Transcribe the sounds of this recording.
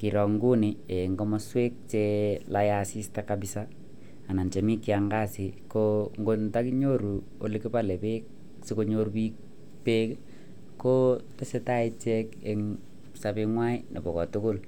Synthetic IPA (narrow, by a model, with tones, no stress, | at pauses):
ki˨ɾɔ˨ŋɡu˦ni˨e˨ŋɡɔ˦mɔ˦swe˦k̚t͡ʃe˦laja˨si˦stakabisaː˦˨ | na˨nt͡ʃe˨mi˦kːɪa˨ŋɡa˦si˨ko˦ŋɡo˦nta˦ki˦ɲo˦ɾu˨ | o̰˨li˦ki˦pa˦le˨pe˦k̚ | siko˦ɲo˦ɾpi˦k̚ | pe˦k | ko˦te˦se˦ta˦i˦t͡ʃɛ˦ke˨ŋ | sa˨pi˧ŋwa˦i˦nʔḛ˨bɔ˨kɔ˨tʊ˦kʊ˦l